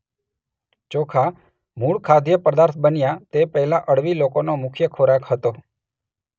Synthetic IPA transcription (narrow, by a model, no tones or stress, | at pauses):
t͡ʃokʰa | muɭkʰad̪jəpəd̪aɾt̪ʰbənjat̪epəɦlaʔəɽʋilokonomʊkʰjəkʰoɾakɦət̪o